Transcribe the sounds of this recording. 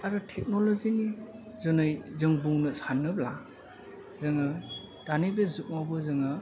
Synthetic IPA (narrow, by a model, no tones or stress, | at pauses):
aɾɯtʰek̚nolozinizɔnɯjzɯŋbuŋnɯsanːɯbla | zɯŋɯ | d̥anibezuk̚mabɯzɯŋɯ